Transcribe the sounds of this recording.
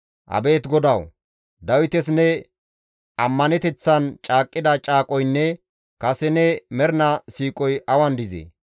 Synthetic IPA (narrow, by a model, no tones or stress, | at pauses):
ʔɐ̰be̞ːt̪ɡɔd̪ɐw | d̪ɐwɪt̪ɛsnɛ | ʔɐmːɐnɛt̪ɛt͡sːɐnt͡ʃʼaːkʼːɪd̪ɐt͡ʃʼaːkʼɔjnːɛ | kɐsɛnɛmɛɾnɐsiːkʼɔjʔɐwɐnd̪ɪzḛ